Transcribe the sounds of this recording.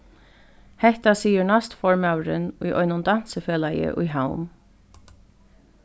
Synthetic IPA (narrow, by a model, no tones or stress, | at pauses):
hɛht̪asiːəɹɳast̪fɔɹmawɾənʊjʔɔ̰ʏnʊnd̪ɑn̥səføːlajə̰ʔʊjɦawm